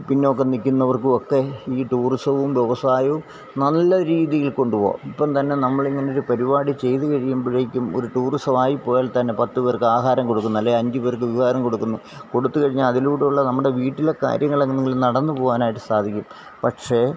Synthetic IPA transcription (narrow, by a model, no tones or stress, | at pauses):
pinːeokːe̞nikʲːunːɐʋɐrkɨo̞kːe̞iːʈuːrisɐʋumʋeʋɐsaːjɐʋum | nɐlːɐɾiːðijilko̞ɳɖupo̞̰ːmipːɐmt̪ɐnːe̞nɐmːɐɭiŋːɐneo̞ɾupɐɾibaːɽit͡ɕe̞jt̪ɨkɐɻijumbiɻɐjikʲːumoɾuʈuːrisɐʋaːjipːo̞ːjaːlt̪ɐnːe̞pɐt̪ːuʋeːrkɨaːɦaːɾɐmko̞ɽukːunːɐlːeɐɲd͡ʑɨperkɨʋiʋaːɾɐmko̞ɽukːunːu | ko̞ɽut̪ːukɐɻiɲːaɐðiluːɽeuɭːɐnɐmːuɽe̞ʋiːʈːile̞ka̰ːɾjɐŋːɐɭeŋneŋɡilnɐɽɐnːɨpo̞ːɣaːnaːjiʈːɨsaːd̪ʱikʲːum | pɐʈʂe̞